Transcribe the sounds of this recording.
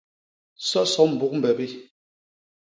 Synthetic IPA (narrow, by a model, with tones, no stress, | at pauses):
sɔ˦sɔ˦m̩˨bu˦˨k̚m̩˨bɛ˨bi˦